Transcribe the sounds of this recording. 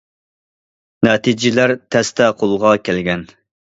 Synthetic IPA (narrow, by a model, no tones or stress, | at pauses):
nɛt̪ʰid͡ʒɪlæɾt̪ʰɛst̪ʰɛqʰolˠʁɑkʲʰɛlɡʲɛn